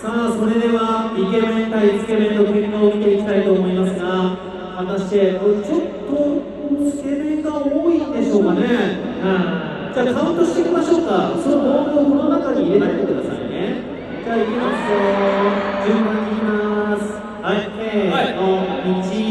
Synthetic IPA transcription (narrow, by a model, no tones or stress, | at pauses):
saːso̞ɾe̞d̪e̞βaike̞ɾɯik̪aiit͡sɨ̥keɾet̪okɯ̟ɾik̪oːit̪e̞ikʲi̥t̪ait̪o̞ːmo̞imasɨɡa | hat̪aɕi̥t̪e̞kot͡ɕo̞t̪ːo | ooɕke̞ɾɯikaoid̪e̞ɕo̞ːkane̞hɯ̃ | d͡ʑaːkʰãɯ̃nt̪o̞ɕi̥t̪e̞kʲimaɕo̞ːkasonodõd̪oko̞no̞nakaɲ̟iiɾe̞nait̪ekɯd̪asa̰ḭne | ikːaikʲimḁso | d͡ʑɨːbãkʲiimasɨ̥ | haienomʲit͡ɕi